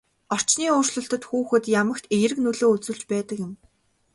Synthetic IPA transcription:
ɔr̥t͡ɕniːʊːrɮə̆ɬt̪ə̆t̪xuːxɘ̆t̪jamə̆kt̪ejɾɘ̆knuɮoːut͡sŭɮt͡ɕpæːt̪ə̆kjɪ̆m

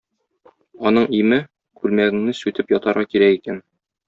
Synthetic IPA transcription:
ɒnɤɴimɘ | kʉlmæɡɘ̆ŋnɘsʉt̪ɘpjɒt̪ɑɾʁɑkiɾækikæn

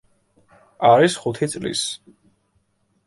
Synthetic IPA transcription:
aɾisχut̪ʰit̪sʼlḭs

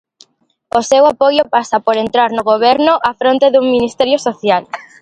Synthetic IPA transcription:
osewapojopasapoɾent̪ɾaɾnoɣoβ̞ɛɾnʊʔafɾõnt̪eðuŋminist̪ɛɾjosoθjal

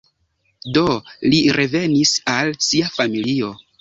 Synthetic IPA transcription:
do̞liɾʔe̞ve̞nisalsiafamilio̞

